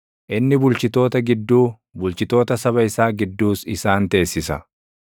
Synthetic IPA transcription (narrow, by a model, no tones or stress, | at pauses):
ʔɪnːɪbʊlt͡ʃɪt̪o̞ːt̪ɐɡɪd̪ːuː | bʊlt͡ʃɪt̪o̞ːt̪ɐsɐβɐɪsaːɡɪd̪ːuːsɪsaːnt̪e̞ːsːɪsɐ